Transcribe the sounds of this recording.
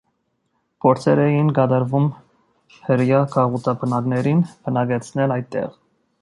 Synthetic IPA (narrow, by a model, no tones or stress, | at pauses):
pʰɔɾt͡sʰɛɾɛjinɡɑd̪ɑɾvum | həɾjɑkʰɑʁut̪ɑbʰənɑɡnɛɾinb̥ənɑɡɛt͡sʰnɛlɑj̪̚t̪ːɛ̰ʁ